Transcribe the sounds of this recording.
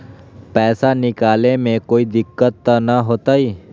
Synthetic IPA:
pɛːsanɪkaːlemẽkoːid̪ɪkːət̪ːanaɦoːt̪aɦiː

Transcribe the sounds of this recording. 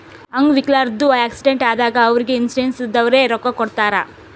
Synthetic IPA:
ɐŋɡʋiklaːɾd̪ːuaːksiɖeɳʈaːd̪aːɡɐːʋɐɾiɡe̞insiɖensid̪ːɐʋɐɾe̞ːɾɔkːɐkɔɽt̪aːɾɐ

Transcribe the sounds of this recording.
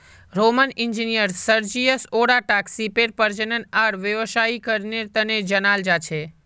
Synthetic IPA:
ɾomənɪɲd͡ʒinijəɾsəɾd͡ʒiəsoɽaʈaksipeɾpəɾd͡ʒənənaɽʋjəʋʃaikəɾneɾt̪əned͡ʒənald͡ʒat͡ʃʰe

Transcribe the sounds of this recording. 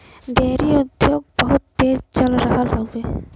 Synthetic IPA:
d̪eɾiod̪ʱːjoɡ̚bɔɦut̪̚d̪ed͡ʒd͡ʑɔlaɾaɦalɦawbe

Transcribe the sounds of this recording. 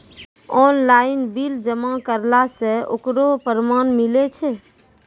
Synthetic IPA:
ɔnlainbild͡ʒəmakəɾlaseo̰kɾopəɾmanmilet͡ʃʰɛ

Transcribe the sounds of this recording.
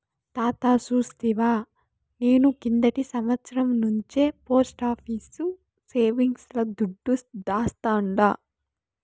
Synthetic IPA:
t̪aːt̪aːt͡ʃuːst̪iʋaː | ne̞ːnukind̪ɐʈisɐmʋɐt̪sɐɾɐmnuɲt͡ʃeːpo̞ːsʈaːpʰiːsu | seːʋiŋɡslɐd̪uɖːusd̪aːst̪aːɳɖaː

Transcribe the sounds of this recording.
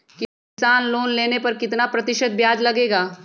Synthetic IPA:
ki | ɪsaːnloːnleːnepɐɾkɪt̪napɾɐt̪ɪʃəd̪̚bjaːd͡ʒlɐɡeːɡaː

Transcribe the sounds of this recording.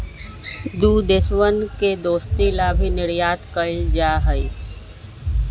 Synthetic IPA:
d̪uːd̪ɪswənked̪oːst̪ilaːbʱinɪɾjaːt̪kəld͡ʒaːɦəi

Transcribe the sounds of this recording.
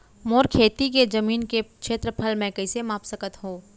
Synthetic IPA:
moːɾkʰeːt̪iked͡ʒɐmiːnkekʃeːt̪ɾəpʰəlmẽkɐɪsemãːpsəkət̪ɦõː

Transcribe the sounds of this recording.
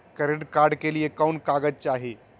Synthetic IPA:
kəɾeʈkaɾɖkeliekawɳkaɡətt͡ʃaɦi

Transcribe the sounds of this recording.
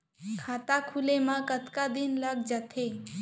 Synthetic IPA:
kʰaːt̪akʰulemãkət̪kad̪inləɡd͡ʒat̪ʰe

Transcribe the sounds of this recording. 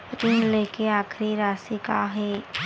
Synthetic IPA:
ɾiːnleːkeaːkʰɾiɾaːsikaɦeː

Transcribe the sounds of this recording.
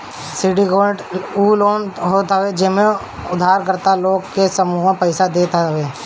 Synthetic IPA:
siːɖiɡoːʈuːloːnɦot̪aʋed͡ʒɪsmẽ | ʊd̪ʱaːɾkəɾt̪aloːɡkesəmuːɦə̃pɛɪsad̪eːt̪aʋeː

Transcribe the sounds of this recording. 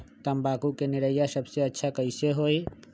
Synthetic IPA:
t̪əmbaːkukenɪɾəjasəbseɐtːʃʰakəɪseɦoːi

